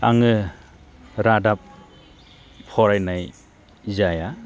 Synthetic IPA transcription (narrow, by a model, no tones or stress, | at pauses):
aŋɯ | ɾadap̚ | pʰɔɾajnaj | zaja